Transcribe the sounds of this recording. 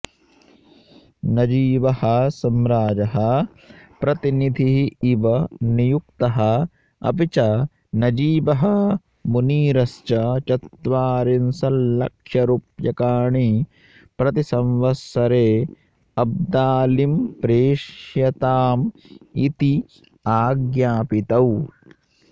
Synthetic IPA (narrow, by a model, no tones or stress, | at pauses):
nɐd͡ʒiːbɐhɐsɐmɾaːd͡ʒɐɦɐ | pɾɐt̪inid̪ʱiɦːʋɐnijuk̚t̪ɐɦɐ | ɐ̰pit͡ʃɐ | nɐd͡ʒiːbɐɦɐ | muniːɾɐst͡ʃɐt͡ʃɐt̪ʋaːɾinsɐlːɐkʃjɐɾupjɐkaːɳi | pɾɐt̪isɐmʋɐsɐɾeː | ɐb̚d̪aːlimpɾeːʃjɐt̪aːmit̪i | aːɡjaːpit̪ɐw